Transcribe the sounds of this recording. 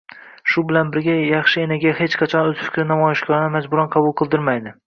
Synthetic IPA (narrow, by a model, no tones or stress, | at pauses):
ʃʊbɪlanbɪɾɡʲajɑχʃɪenɪɡʲahe̞t͡ʃqʰɑt͡ʃʰɒnozfʊ̥kʲʰɪnamɒjɪʃɡʲɒɾnɪmad͡ʒbʊɾanqʰɑbʊlˠqʰɨlˠd̪ɪɾmajd̪ɪ